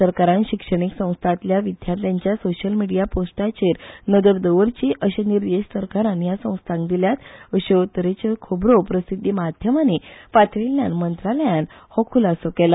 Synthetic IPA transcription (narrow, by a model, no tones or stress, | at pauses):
əɾkaɾãnɕikʂəɽ̃iksə̃w̃st̪ʰat̪ljaʋid̪ʱjat̪jaɲt͡ɕjasoɕəlmiɽijaposʈat͡ɕeɾnəd̪əɾd̪əʋəɾt͡ɕiʔəɕeniɾd̪eɕsəɾkaɾãnjasə̃w̃st̪ʰãŋkd̪iljat̪əɕet̪əɾet͡ɕekʰobɾopɾəsid̪ʱːimad̪ʱjəmanepat̪ʰʋiljãnmənt̪ɾaləjãnhɔ̃kʰulasokela